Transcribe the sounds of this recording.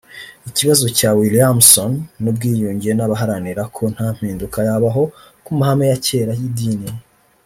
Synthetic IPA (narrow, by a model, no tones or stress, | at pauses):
iciβazo̞caːwiliamsonːubɡiːjuːɲɟijenaβaɦaɾaniɾakʰo̞n̥haːm̥hiːndukajaβaɦo̞ | kumaɦame̞jace̞ːɾajidini